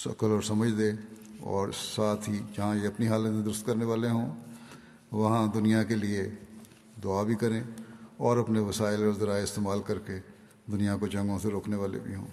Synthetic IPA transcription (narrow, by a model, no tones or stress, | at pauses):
sɐ̰kəlɔːɾsɐməd͡ʒʱd̪eː | ɔ̰ːɾsaːt̪ʰɦid͡ʒɐɦãjeɐpniɦaːlət̪mẽd̪ʊɾʊst̪kɐɾneʋaːleɦõː | ʋɐɦãd̪ʊnijãkelie | d̪ʊabʱikɐɾẽːɔːɾɐpneʋɐsaːɪlɔːɾzɐɾaːeɪst̪eːmaːlkɐɾke | d̪ʊnijãkod͡ʒɐ̃ŋɡõseɾoːkʰneʋaːlḛbʱiɦõ̰ː